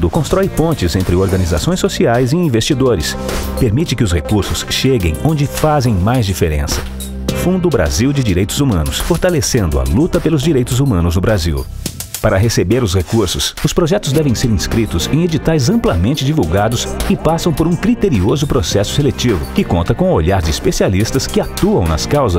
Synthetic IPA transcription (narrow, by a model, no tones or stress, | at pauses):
d̪ʊkõst̪ɾɔjpõnt͡ʃɪzẽnt̪ɾɪoɾɡɐniza̰sõj̃sːosiajzɪĩvest͡ʃid̪oɾɪspeɾmit͡ʃɪkɪʊshekuɾsʊsʃeɡḛ̃j̃õnd͡ʒɪfazẽj̃majzd͡ʒifeɾḛ̃sɐ̥ | fũnd̪ʊbɾa̰ziwd͡ʒɪd͡ʒiɾejt̪ʊzumɐ̃nʊsfoɾt̪alesẽnd̪ʊɐ̰lut̪ɐpelʊzd͡ʒiɾejt̪ʊzumɐ̃nʊznʊbɾazḭw | paɾɐɦesebeɾʊshekuɾsʊsʊspɾoʒɛt̪ʊzd̪ɛvẽj̃seɾĩskɾit̪ʊzḛ̃j̃ed͡ʒit̪ajzɐ̃mplɐmẽnt͡ʃɪd͡ʒivuwɡad̪ʊsɪpasɐ̃w̃poɾũkɾit̪eɾiozʊpɾosɛsʊ̥selet͡ʃivʊkɪkõnt̪ɐkõw̃ʊoʎaɾd͡ʒɪispesialist̪ɐskɪat̪uɐ̃w̃nɐskawzɐ